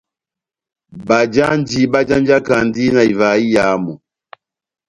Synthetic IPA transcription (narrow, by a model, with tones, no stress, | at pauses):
ba˨d͡ʒa˦n˦di˦ba˦d͡ʒa˦n˦d͡ʒa˦ka˨n˦di˦na˨i˨va˨i˦ja˨˦mɔ˨